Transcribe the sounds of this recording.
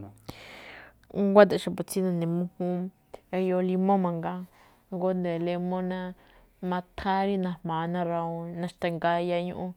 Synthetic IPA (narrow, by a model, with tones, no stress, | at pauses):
ŋɡʷa˦t̪̬a˧˨ʃa˧po˨t͡si˦nã˧nẽ˨mũ˦hũ˦ | e˧jo˧li˧mõ˦mã˧ŋɡa˦ | ŋɡo˦nd̪e˨le˧mõ˦nã˧ | mã˧t̪ʰã˦ɾi˦nã˧hmãː˨˦˧nã˦ɾa˧õ˧nã˧ʃt̪a˧ŋɡa˧ja˧ɲṵ̃˧ʔũ˧